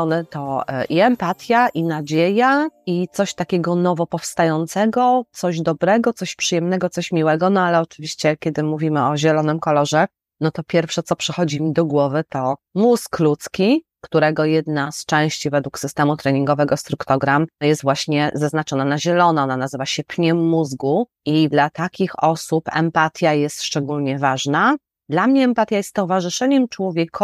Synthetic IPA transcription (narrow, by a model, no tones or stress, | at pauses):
ɔnɛt̪ɔʔiɛmpat̪ʲjaʔinad͡ʑejait̪sɔɕt̪akʲɛɡɔnɔvɔpɔfst̪ajɔnt̪sɛɡɔt̪sɔʑd̪ɔbɾɛɡɔt̪sɔɕpʂɨjɛmnɛɡɔt̪sɔɕmʲiwɛɡɔnɔalɛɔt͡ʂɘvʲiɕt͡ɕɛkʲɛd̪ɘmuvʲimɘɔʑɛlɔnɘmkɔlɔʐɛ | nɔt̪ɔpʲjɛɾfʂɛt̪sɔpʂɛxɔd͡ʑimʲid̪ɔɡwɔvɘt̪ɔmusklut̪skʲi | kt̪uɾɛɡɔjɛd̪nast͡ʂɛ̃w̃ɕt͡ɕivɛd̪wuksɘst̪ɛmut̪ɾɛɲiŋɡɔvɛɡɔst̪ɾukt̪ɔɡɾamjɛst̪vwaɕɲɛzaznat͡ʂɔnanaʑɛlɔnaɔnanazɘvaɕɛpɲɛmːuzɡu | id̪lat̪akʲixɔsupɛ̰mpat̪ʰʲjajɛst̪ʂt͡ʂɛɡulɲɛvaʐna | d̪lamɲɛɛmpat̪jajɛst̪t̪ɔvaʐɘʂɛɲɛmt͡ʂwɔvʲjɛkʰɔ